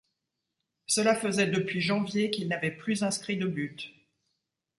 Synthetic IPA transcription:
səlafəzɛd̪əpɥiʒɑ̃vjekilnavɛplyzɛ̃skχid̪əbyt̪

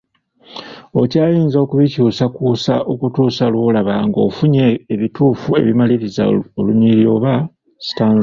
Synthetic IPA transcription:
o̞caːjiːnzokuβicuːsakuːsaʔo̞kutuːsalwo̞laβaːŋɡo̞̰fuɲeːβituːfue̞̰βimaliɾiza̰oluɲiɾio̞βa | si̥taːn

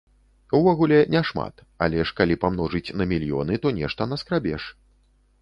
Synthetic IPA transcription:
wvɔɣulʲɛnʲɛʂma̰t̪ | a̰lʲɛʂkalʲipamnɔʐɨt͡sʲnɐmʲilʲjɔ̰nɨt̪ɔnʲɛʂt̪ɐnɐskɾabʲɛ̰ʂ

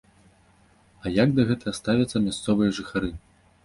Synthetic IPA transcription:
ɐjaɡd̪ɐɣɛt̪ɐɣɐst̪avʲɐt̪sːɐmʲast̪sɔvɨjɐʐɨxaɾɨ

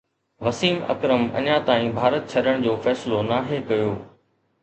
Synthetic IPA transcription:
ʋɐsiːmɐ̰kɾəmɐ̰ɲãt̪aːĩbʱaːɾət̪̚t͡ɕʰɐɗəɽ̃d͡ʑoːfɛːsɪlonaːɦekɐjoː

